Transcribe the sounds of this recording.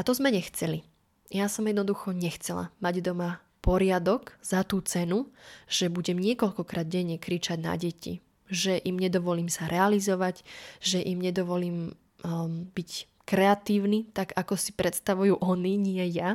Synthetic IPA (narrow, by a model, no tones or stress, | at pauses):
at̪ɔzmɛɲɛxt͡sɛli | jasɔmjɛd̪nɔd̪uxɔɲɛxt͡sɛla̰maɟd̪ɔma | pɔɾɪad̪ɔɡz̥at̪uːt͡sɛnuʒ̥ɛbuɟɛmɲɪɛkɔʎkɔkɾaːd̪̚ɟɛɲːɛkɾit͡ʃaɟna̰ɟɛcḭ | ʒɛʔimɲɛd̪ɔʋɔliːmsaɾʔɛalizɔʋaɟʒɛʔimɲɛd̪ɔʋɔliːm | bic | kɾɛat̪iːʊnit̪aɡakɔsi̥pɾɛt̪st̪aʋujuʔɔniɲɪɛja